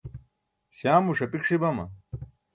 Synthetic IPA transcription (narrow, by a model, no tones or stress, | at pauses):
ɕaːmuʂɐpikʂibɐmɐ̰